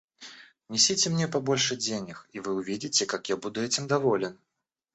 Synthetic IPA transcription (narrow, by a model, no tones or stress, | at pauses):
nʲɛsʲit͡sʲɪmnʲɛpɐbɔlʲʂɛd͡zʲenʲɐxivɨuvʲid͡zʲit͡sʲɛkakjabud̪ʊɛt͡sʲimd̪avɔlʲɛn